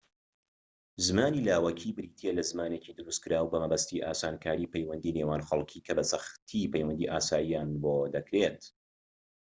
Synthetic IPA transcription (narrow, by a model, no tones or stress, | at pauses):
zɨmaːnilaːwɐkʰibɨɾiːt̪ʰelɐzmaːnecid̪ɨɾust̪̚kɨɾaːwbɐmɐbɐst̪iʔaːsaːnkʰaːɾiːpejwɐnd̪ine̞ːwaːnxɐlˠkʰiːkʰɐbɐsɐxt̪ʰipʰɐjwɐnd̪iʔaːsaːjijaːnbod̪ɐkɾet̪